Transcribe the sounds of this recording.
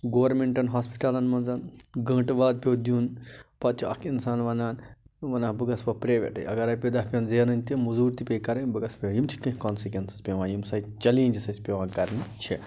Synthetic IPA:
ɡoːɐɾmeɳʈɐnɦaːspi̥ʈɐlɐnmɐnzɐnɡɐ̃ːʈʋaːd̪̚pʲoːd̪juːnpɐt̪̚t͡ʃʰiɐkinsaːnʋɐnaːnʋɐnaːbɨɡɐspɐpɾeːʋʲḛʈɐ̰jɐɡɐɾaːjpʲed̪ɐhpʲɐnzeːnɐnʲt̪ʲimuzuːɾt̪ipʲejkɐɾɐnbɨɡɐspɾejimt͡ʃʰi̥kɐ̃ɦkɔːnsikʋʲensi̥spʲeʋãːjimsɐit͡ʃɐliːnʲd͡ʒisɐsʲpʲeʋãːnkɐɾnit͡ʃʰi

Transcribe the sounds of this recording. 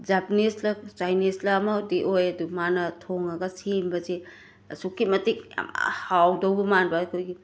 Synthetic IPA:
d͡ʒapneslɐsajneslamɐdiʔojɐdumanɐtʰoŋɐɡɐsembɐze | sukːimɐtik̚hawdɐwbɐmanbɐɐkʰojɡi

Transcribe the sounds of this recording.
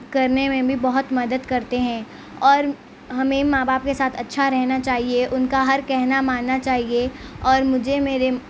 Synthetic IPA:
kɐɾnemẽbʱibɐɦʊt̪mɐd̪əd̪kɐɾt̪eɦɛ̃ː | ɔːɾ | ɦɐmẽmãːbaːp̚kesaːt̪ʰɐtːʃʰaɾɛɦnat͡ʃaːɦieʔʊnkaɦɐɾkɛɦnamaːnːat͡ʃaːɦieɔːɾmʊd͡ʒʱemeːɾe

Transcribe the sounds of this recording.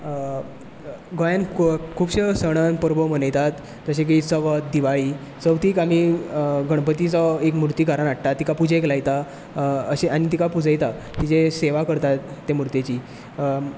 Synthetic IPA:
ɡojankʰuːbɕesəɽ̃ənpəɾbɔm̤ənəjt̪at̪ | d͡zəɕẽk̬isəʋət̪̚d̪iʋaɭiː | səʋt̪iːkam̤iɡəɽ̃pət̪it͡sɔekmuɾt̪iːkaɾanaʈʈ̪at̪ːikapud͡ʑeklajt̪a | əɕeanit̪̬ikapud͡zəjt̪a | t̪it͡seseʋakəɾt̪at̪ːemuɾt̪et͡ɕiː

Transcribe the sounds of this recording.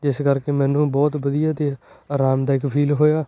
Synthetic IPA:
d͡ʒɪskəɾkeːmɛ̃ːnũːbɔːt̪bəd̪ijaːt̪eːaːɾaːmd̪aːɪkpʰiːlɦoːjaː

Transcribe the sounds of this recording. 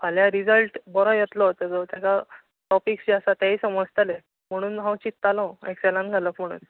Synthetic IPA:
pʰaljaɾid͡zəlʈbɔɾɔjet̪lɔt̪əd͡zɔt̪jaka | ʈɔpiksd͡ʑiasat̪jaisəməd͡zt̪əle | m̤əɽ̃uːnɦãwt͡ɕit̪ːalɔ̃ekselãnɡʱaləkm̤əɽ̃ṵːn

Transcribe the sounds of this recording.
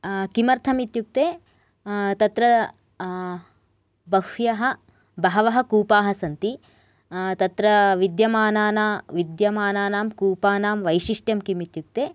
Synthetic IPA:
kimɐɾt̪ʰɐmit̪juk̚t̪eː | t̪ɐt̪ɾɐ | bɐhjɐɦɐ̆ | bɐɦɐʋɐɦɐ̆kuːpaːɦɐsɐnt̪i | t̪ɐt̪ɾɐʋid̪jɐmaːnaːnaːʋid̪jɐmaːnaːnaːmkuːpaːnaːmʋɐjʃiʂʈjɐmkimit̪juk̚t̪eː

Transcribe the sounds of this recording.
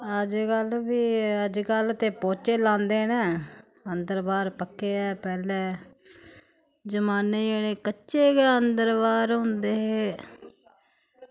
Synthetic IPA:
əd͡ʒkəlbiːəd͡ʒkəlt̪eːpoːt͡ʃeːlãːnd̪eːnɛ̃ː | ənd̪əɾbaːɾpəkːeːɛːpɛːlɛ̃ː | d͡ʒəmaːneːeɽeːkətːʃeːɡɛːənd̪əɾbaːɾɦʊ̃nd̪eːɦeː

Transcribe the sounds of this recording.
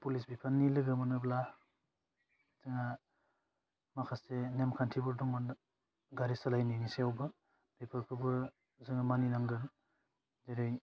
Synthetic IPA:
pulisbipʰanːilɯɡɯmanɯbla | zɯŋa | makʰasenemkʰantʰibɯɾdɔŋɯn | ɡaɾisalajninisewba | pepʰaɾkʰɯbɯɾ | zɯŋamaninaŋɡɯn | zejɾɯj

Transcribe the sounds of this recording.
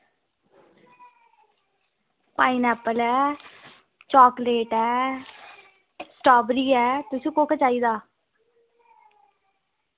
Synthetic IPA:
paːiːnɛːpːəlɛː | t͡ʃɔːkleːʈɛː | sʈɔːbɾiːɛːt̪ʊsĩːkoːkət͡ʃaːiːd̪aː

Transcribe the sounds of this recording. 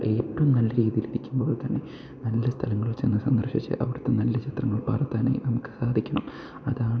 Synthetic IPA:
ʔepːɐmnɐlːɐɾiːðijiliɾikʲːumbo̞ːɭt̪ɐnːe̞ | nɐlːɐst̪ʰɐlɐŋːɐɭʋɐt͡ɕːe̞nːɨsɐnd̪ɐrʂit͡ɕːɨ̰ʔɐ̰ʋiɽɨt̪ːe̞nɐlːɐt͡ɕʰi̥t̪rɐŋːɐɭpɐ̰ːrɐt̪ːaːnḛjnɐmukːɨ̥saːd̪ʱikʲːɐɳɐm | ɐðaːɳ

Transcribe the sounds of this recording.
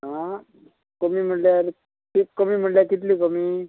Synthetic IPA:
ɦã | komiːm̤əɳʈljaɾ | kekomiːm̤əʈljakit̪̬liːkomi

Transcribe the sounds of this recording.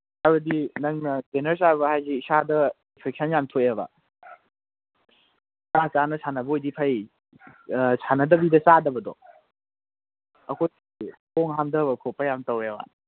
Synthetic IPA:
aɾɐdinɐŋnɐdenɐɾsaɾbɐhajziːsadɐ | inpʰek̚sʰɐnjamtʰoeba̰ | kɐɾat͡ʃanɐsʰanɐbɐojdipʰɐj | sʰanɐdɐbidɐsadɐbɐdɔ̰ | ɐkʰoj | ipʰoŋɦamdɐbɐkʰopːɐjamtɐweba̰

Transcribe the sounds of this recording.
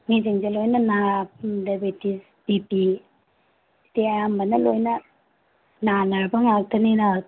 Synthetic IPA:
ŋiziŋzelojnɐnadebitis | bipi | teajambɐnɐlojnɐ | nanaɾbɐŋak̚tʰɐnina

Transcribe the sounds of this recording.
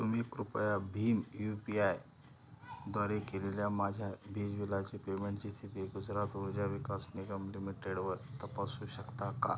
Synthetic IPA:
sumikɾupəjabʱiːmjupiaj | d̪ʋaɾekeleljamad͡ʑʱjabid͡ʑʋilat͡ɕipemeɳʈt͡ɕiːst̪ʰit̪iɡud͡zɾat̪ʋod͡ʑaʋikasniɡəmlimiʈeɽʋəɾt̪əpasuɕəkt̪aka̰

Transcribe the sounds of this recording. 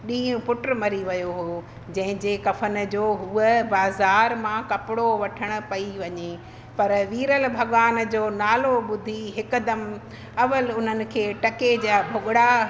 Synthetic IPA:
ɗĩːʊ̃pʊʈɾmɐɾiʋɐjoɦo | d͡ʑɐ̃ɦɪ̃d͡ʑekɐfən̆d͡ʑoːɦuəbaːzaːɾmãkɐpɪɽoʋɐʈʰəɽ̃ʊ̆pɐiʋɐɲe | pɐɾʋiːɾəlbʱɐɠʋaːnd͡ʑoːnaːloɓʊd̪ʱiɦɪkʊ̆d̪ɐm | ɐʋəlʊn̤ənɪ̆kʰeːʈɐked͡ʑaːbʱʊɠɽa

